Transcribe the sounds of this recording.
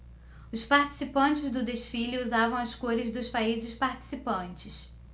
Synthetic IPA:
ʊspaɾt͡ʃi̥sipɐ̃nt͡ʃɪzd̪ʊd̪eʃfilɪuzavɐ̃w̃ɐskoɾɪzd̪ʊspaizɪspaɾt͡ʃi̥sipɐ̃nt͡ʃɪs

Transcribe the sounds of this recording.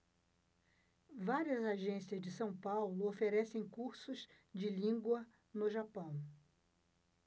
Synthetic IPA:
vaɾiɐzaʒẽsiɐzd͡ʒɪsɐ̃w̃pawlʊofeɾɛsẽj̃kuɾsʊz | d͡ʒɪlĩŋɡwɐ | nʊʒapɐ̃w̃

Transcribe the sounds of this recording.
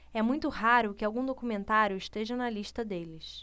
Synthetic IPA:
ɛmũj̃t̪ʊɦaɾʊkɪawɡũd̪okumẽnt̪aɾjʊɪʃt̪eʒɐnɐliʃt̪ɐd̪elɪs

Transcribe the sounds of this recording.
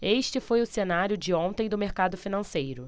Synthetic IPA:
eʃt͡ʃɪfojʊsenaɾjʊd͡ʒɪõt̪ẽj̃d̪ʊmeɾkad̪ʊfinɐ̃sejɾʊ

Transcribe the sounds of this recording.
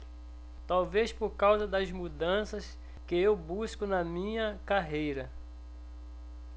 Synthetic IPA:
t̪awvespoɾkawzɐd̪ɐzmud̪ɐ̃sɐs | kɪewbuskʊnɐmĩɲɐkaɦejɾɐ

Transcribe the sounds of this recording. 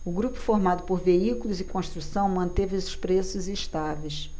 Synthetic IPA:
ʊɡɾupʊ̥foɾmad̪ʊpoɾveikulʊzɪkõʃt̪ɾusɐ̃w̃mɐ̃nt̪evɪesɪ̥ʃpɾesʊziʃt̪avejs

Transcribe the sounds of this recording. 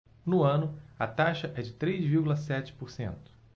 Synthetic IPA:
nʊɐ̃nʊɐt̪aʃɐʔɛd͡ʒɪt̪ɾejzviɾɡulɐsɛt͡ʃɪ̥poɾsḛ̃nt̪ʊ̥

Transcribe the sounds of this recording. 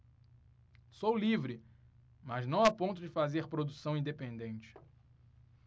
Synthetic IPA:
sowlivɾɪ | mɐznɐ̃w̃apõnt̪ʊd͡ʒɪfazeɾpɾod̪usɐ̃w̃ĩd̪epẽnd̪ẽnt͡ʃɪ̥

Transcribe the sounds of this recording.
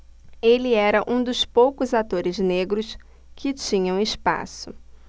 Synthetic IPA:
elɪɛɾɐʔũd̪ʊspowkʊzat̪oɾɪzneɡɾʊs | kʰɪt͡ʃĩɲɐ̃w̃ɪspa̰sʊ

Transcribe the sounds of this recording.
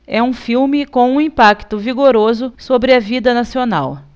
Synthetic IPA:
ɛũfiwmɪkõw̃ũĩpakt̪ʊviɡoɾozʊsobɾɪɐvid̪ɐnasionaw

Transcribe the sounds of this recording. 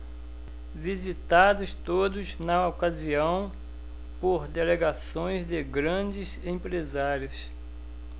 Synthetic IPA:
vizit̪ad̪ʊst̪od̪ʊznɐokaziɐ̃w̃ | poɾd̪eleɡasõj̃zd̪ɪɡɾɐ̃d͡ʒɪsẽpɾezaɾiʊs

